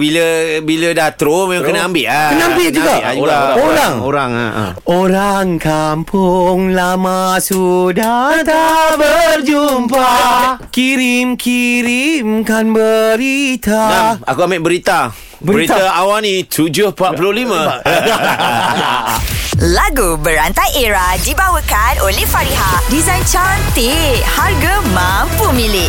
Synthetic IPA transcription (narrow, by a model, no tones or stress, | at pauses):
biləbilədaht̪ɾomemãŋkənaambɪʔakənaambɪʔd͡ʒuɡaaɾaoɾaŋo̰ɾaŋa̰ | oɾaŋkampʰʊŋlamasudat̪abərd͡ʒumpakiɾimkiɾimkanbəɾit̪aaakuamaʔ̚bəɾit̪a | bəɾit̪t̪aawanĩt̪ʰud͡ʒohpaʔpulolimã | laɡubəɾant̪ajʔeɾadibawəkanolɛhfaɾiɦadizajnt͡ʃant̪eharɡəmampumilɪʔ